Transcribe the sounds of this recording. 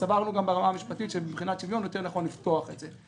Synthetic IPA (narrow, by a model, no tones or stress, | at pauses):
savaʁnuɡambeʁamaːmiʃpat̪it̪ʃebibχinat͡ʃivjo̞njo̞t̪e̞ʁnaχo̞nlifto̞aχet̪ze